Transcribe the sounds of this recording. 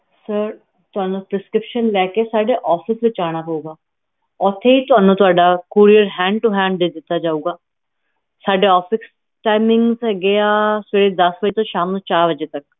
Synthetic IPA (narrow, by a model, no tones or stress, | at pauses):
səɾ | t̪ʊɦaːnũːpɾɪskɾɪpʃənlɛːkesaːɖeːʔɔːpʰɪsʋɪt͡ʃaːɽ̃aːpəuːɡaː | ɔːt̪ʰeːiːt̪ʊaːnũːt̪ʊaːɖaːkuːɾijəɾɦɛ̃ːɳɖ̚ʈuɦɛ̃ːɳɖd̪eːd̪ɪt̪ːaːd͡ʒaːuːɡaː | saːɖeːɔːfʰɪs | ʈaːɪmɪ̃ŋɡzɦɛɡeaːseɽeːd̪əsbəd͡ʒet̪õːʃaːmõt͡ʃaːɾʋəd͡ʒeːt̪ək